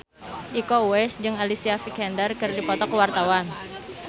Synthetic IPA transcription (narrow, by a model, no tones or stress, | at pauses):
ʔikouɛsd͡ʒɨŋalisiafikɛndərkɨrdipɔt̪ɔkəwart̪awan